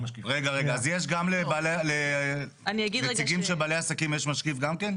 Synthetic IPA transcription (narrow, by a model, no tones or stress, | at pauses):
iʁeɡaʁeɡaazjeʃ̬ɡamlebalele | aniaɡid̪et͡siɡimʃebaːleasakimjeʃmaʃkifɡamke̞n